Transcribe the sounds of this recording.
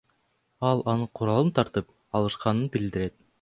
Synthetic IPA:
ɑlˠɑnɯqʰuɾɑlˠɯnt̪ʰɑɾt̪ɯp | ɑlˠɯʃqɑnɯnbild̪iɾet̪̚

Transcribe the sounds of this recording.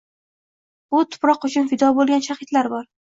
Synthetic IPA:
bʊt̪ʰʊ̥pɾɒqʊt͡ʃʰʊnfɪd̪ɒbolˠɡʲanʃaχɪt̪laɾbɒɾ

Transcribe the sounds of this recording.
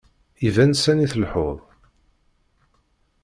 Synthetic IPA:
ivænsæniθəlħo̰ðˤ

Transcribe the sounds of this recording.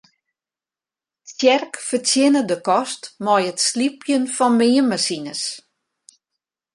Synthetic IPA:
sjɛrkfərtjɪnədəkɔstmɔjətslipʰjənfɔnmɪːəmasinəs

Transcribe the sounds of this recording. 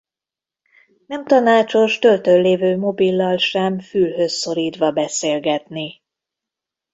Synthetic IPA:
nɛmt̪ɒnaːt͡ʃo̞ʃt̪ø̞lt̪ølleːvøːmo̞bilːɒlʃɛmfylɦø̞sːo̞ɾiːt̪ʋɒbɛseːlɡɛt̪ni

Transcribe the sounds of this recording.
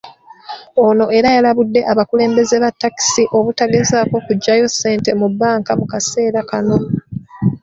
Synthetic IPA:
ono̞ʔe̞ɾajalaβudːe̞ʔaβakule̞ːmbe̞ze̞βatːaki̥siʔo̞βutaɡe̞zaːko̞kuɟːajo̞sːe̞ːnte̞mubːaːŋkamukase̞ːɾakano̞

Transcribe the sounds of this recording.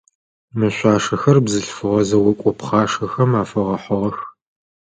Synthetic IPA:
mɨɕʷɑːʂɐxɐrbzɨɬfɨʁɐzɐwɔkʷʼɔpχɑːʂɐxɐmaːfɨʁɐħɔʁɐx

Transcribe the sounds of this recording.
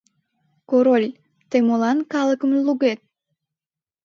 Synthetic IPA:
koɾolʲ | t̪emolɑnkɑlˠəkəmluɣet̪̚

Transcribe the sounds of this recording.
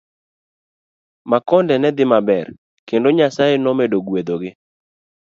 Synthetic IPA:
makɔndɛnɛd̪ɪmabɛr | kendoɲasajenɔmedoɡwed̪oɡɪ

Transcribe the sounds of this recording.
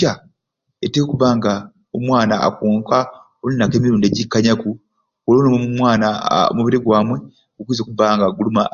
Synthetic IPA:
a | etekuβaːŋɡa | omwaːna̰ːkuːŋka | olunːake̞ːmiɾuːndeɟikːaɲaku | olonomomumwaːnao̰muβiɾiɡwaːmwe̞ | ɡukuizokuβaːŋɡaɡuluma

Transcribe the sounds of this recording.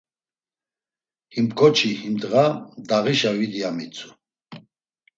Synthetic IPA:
himkʰɔt͡ʃʰihimd̪ɣad̪aɣiʃavid̪iamit͡sʰʼu̥

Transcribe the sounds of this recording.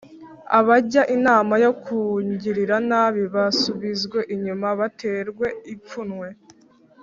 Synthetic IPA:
aβaɟaʔinaːmajo̞kuɲɟiɾiɾanaːβiβasuβizɡwe̞ʔiɲumaβatʰe̞ɾɡwe̞ip͡funŋwe̞

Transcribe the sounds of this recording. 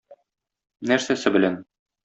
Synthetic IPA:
næɾsæsɘbɘ̆læn

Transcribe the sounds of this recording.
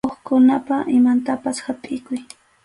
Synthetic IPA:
oχkʊnapaʔɪmant̪apashatʼɪjkʊj

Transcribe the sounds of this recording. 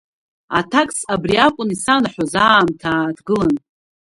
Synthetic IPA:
a̰tʰakʼsabriakʷʼʊnisanaħʷᶣazaːmtʰaːtʰɡɨlan

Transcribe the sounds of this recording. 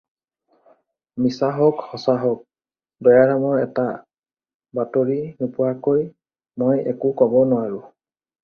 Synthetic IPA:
misaɦɔkhɔsaɦɔk̚ | bɛjaɹamɔɹɛta | batoɹinupʊwakoj | mojɛ̰kʊkɔbɔnʊwaɹʊ

